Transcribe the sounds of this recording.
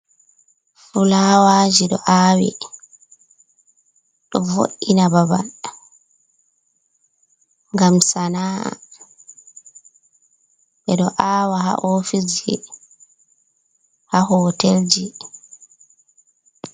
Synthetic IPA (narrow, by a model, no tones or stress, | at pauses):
fulaːwaːd͡ʒiɗɔʔaːwɛ̰ | ɗɔvo̰ʔːinababan | ŋɡamsanaːa̰ | ɓɛɗɔʔaːwaha̰ʔofisɛ̰ | hahɔːteld͡ʒi